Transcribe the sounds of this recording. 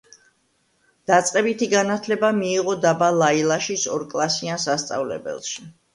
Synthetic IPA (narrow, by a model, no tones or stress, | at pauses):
d̪̥at̪sʼqʼɛbit̪ʰiɡanat̪ʰlɛbamiːʁɔd̪abalˠailˠaʃisɔɾkʼlˠasiansast̪sʼa̰vlɛ̰bɛ̰lˠʃi